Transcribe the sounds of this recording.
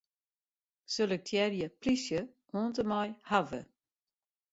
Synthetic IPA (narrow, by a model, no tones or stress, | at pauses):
sølək̚tʰjɛɾjəpʰlisjə | ɔːntəmajhavə̰